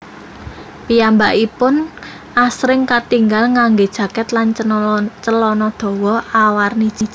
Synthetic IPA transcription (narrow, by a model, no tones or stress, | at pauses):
piambaʔipʊn | asɾɪŋkat̪iŋɡalŋaŋɡed̥ʒ̥ä̤kɛt̪lanət͡ʃəlɔnɔd̪̥ɔ̤wɔawarni̥t͡ʃi̥